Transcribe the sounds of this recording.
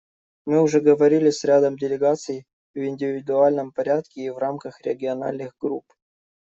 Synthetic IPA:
mɨʊʐɛɡəvɐɾʲilʲɪsʲɾʲad̪əmdʲɪlʲɪɡat̪sɨj | vɪnʲdʲɪvʲɪd̪ʊalʲnəmpɐɾʲat̪kʲɪːvramkəxɾʲɪɡʲɪɐna̰lʲnɨxɡɾup

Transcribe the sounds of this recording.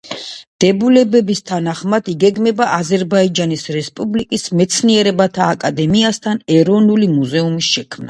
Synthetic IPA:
d̪̥ɛbulɛbɛbist̪ʰanaχmad̪̥iɡɛɡmɛbaʔazɛɾbaid͡ʒanisɾɛspʼublikʼismɛt̪sʰniɛɾɛbat̪ʰaːkʼad̪ɛmiast̪ʰanɛɾɔnulimuzɛumisʃɛkʰmna

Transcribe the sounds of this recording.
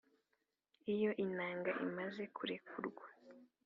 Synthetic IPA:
ijo̞ʔinaːŋɡaʔḭmaze̞kʰuɾekuɾɡwa

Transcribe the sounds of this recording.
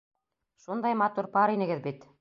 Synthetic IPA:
ʃund̪ɑjmɑt̪uɾpɑɾinɘ̆ɡɘðbit̪

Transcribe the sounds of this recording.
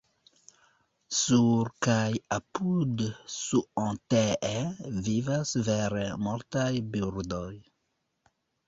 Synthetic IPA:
suɾkajapud̪suɔ̃t̪eevivasvɛɾemɔɾt̪ajbyɾd̪oj

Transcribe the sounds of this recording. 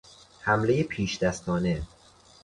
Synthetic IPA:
hæmle̞jepʰiːʃd̪̥æst̪ɒːne̞

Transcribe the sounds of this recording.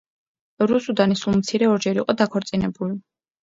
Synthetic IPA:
ɾusud̪anisulˠmt̪sʰiɾɛɔɾd͡ʒɛɾiqʼɔd̪akʰɔɾt̪sʼinɛbuli

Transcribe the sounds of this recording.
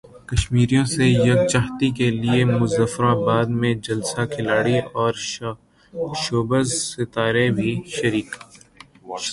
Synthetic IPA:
kɐʃmiːɾijõsejɐɡ̚t͡ʃaːɦt̪ikeliemʊzəfɾãbaːd̪mẽd͡ʒɐlsakʰɪlaːɽiɔːɾ | ʃoːbəzsɪt̪aːɾebʱiʃɐɾiːk

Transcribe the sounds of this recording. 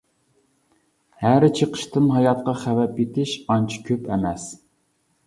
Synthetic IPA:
hæɾɪt͡ʃʰəqʰə̥ʃt̪ʰɨmɦɑjɑt̪̚qɑχævɛpjet̪ʰɪʃɑnt͡ʃʰi̥kʲʰøpʰɛmɛs

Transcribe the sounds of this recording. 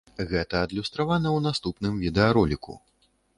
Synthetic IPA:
ɣɛt̪ɐːd̪lʲust̪ɾavanɐwnast̪upnɨmvʲid̪ɛaɾɔlʲikṵ

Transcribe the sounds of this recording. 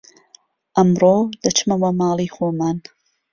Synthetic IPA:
ʔɐmɾoːd̪̥ɐt͡ʃmɐwɐmɑːlˠiːxoːmaːn

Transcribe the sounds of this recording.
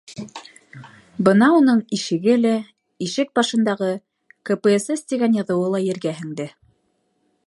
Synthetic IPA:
bɤnɑunɤɴiʃɘ̆ɡɘlæ | iʃɘk̚bɑʃɤ̆nd̪ɑʁɤ | kĕpɘesest̪ʲiɡænjɑðɤ̆wɤlˠɑjɘ̆ɾɡæhɘ̆ŋd̪ɘ

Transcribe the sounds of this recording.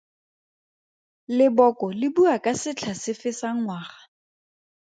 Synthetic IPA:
lɪbɔkɔlɪbuakʼasɪt͡ɬʰasɪfɪsaŋ̩ŋwaːχa

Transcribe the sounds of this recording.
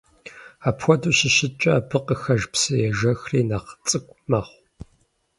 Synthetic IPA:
aːpxʷɔduːʃɪʃɪt͡ʃʼɐːpʰɨqʼəxɐʒpsɨjɛʒɐxriːnaqt͡sʼɨkʷʼmɐχʷ

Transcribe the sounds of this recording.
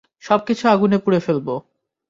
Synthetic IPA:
ʃɔb̚kit͡ɕʰoaɡunepuɾefelbo

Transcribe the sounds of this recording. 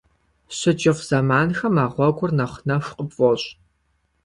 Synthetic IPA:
ɕɪt͡ʃʼɪfz̥ɐmaːnxɐmaːʁʷɔɡʷʊrnɐχnɐʂqʼəbfɔɕʼ

